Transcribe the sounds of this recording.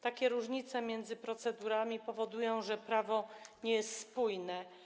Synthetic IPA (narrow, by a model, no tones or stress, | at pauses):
t̪akʲɛɾuʐɲit̪sɛmʲjɛnd̪zɘpɾɔt̪sɛd̪uɾamʲipɔvɔd̪ujɔ̃w̃ʐɛpɾavɔɲɛjɛst̪spujnɛ